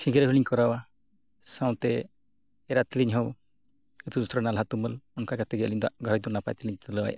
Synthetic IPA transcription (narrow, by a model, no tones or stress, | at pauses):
sĩɡiɾɛɦuliɲkɔɾawa | saw̃t̪ɛ | ɛɾat̪iliɲɦɔw | ət̪ud̪usɾɔnalɦat̪uməlɔnkakat̪ɛɡɛliɲd̪ɔaʔɡʱɔɾɔd̪ɔnapajt̪iliɲt̪ɔləwa̰ja